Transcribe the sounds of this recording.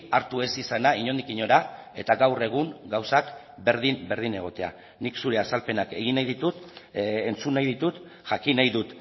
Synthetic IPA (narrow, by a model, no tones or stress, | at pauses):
aɾt̪ue̞sisanaiɲo̞nd̪ikiɲo̞ɾae̞t̪aɡawre̞ɣ̞uŋɡawsak | be̞ɾðinbe̞ɾð̞ine̞ɣ̞o̞t̪e̞a̰ | niksuɾe̞asalpe̞nake̞ɣ̞inajðit̪ut̪ent͡sunːajðit̪ut̪ | ʝakinajðut̪